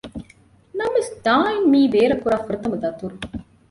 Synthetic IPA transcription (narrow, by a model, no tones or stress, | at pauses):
nɐmesd̪aːjnmiːʋeːɾɐkːuɾaːfɐɾɐt̪ːɐmɐt̪ɐt̪ːuɾu